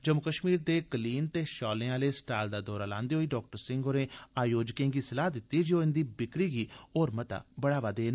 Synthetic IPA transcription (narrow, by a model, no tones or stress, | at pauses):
d͡ʒəmʊkəʃmiːɾd̪eːkəliːnt̪eːʃɔːlẽːaːleːsʈaːld̪aːd̪ɔːɾaːlã̰ːnd̪eːɦoːiːɖɔːk̚ʈəɾsɪ̃ŋɡoːɾẽːaːjoːd͡ʒkẽːŋɡiːsəlaːd̪ɪt̪ːiːd͡ʒioːɪnd̪iːbɪkɾiːɡiːoːɾmət̪a̰ːbəɽaːʋaːd̪eːn